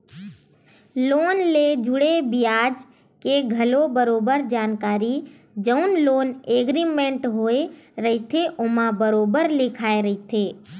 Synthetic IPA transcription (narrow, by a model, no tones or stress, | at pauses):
loːnled͡ʒʊɽebijaːd͡ʒ | keɡʱəlobəɾoːbəɾd͡ʒaːnkaːɾi | d͡ʒəʊnloːneːɡɾimẽɳʈɦoːeɾəit̪ʰeʔomãbəɾoːbəɾlɪkʰaːeɾəɦit̪ʰeː